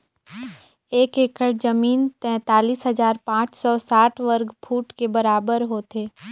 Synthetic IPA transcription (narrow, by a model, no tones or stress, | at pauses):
eːkeːkəɽd͡ʒɐmiːnt̪ɛ̃ːt̪aːliːsɦɐzaːɾpãːt͡ʃsɔsaːʈʰʋəɾɡpʰuːʈkebɐɾaːbəɾɦoːt̪eː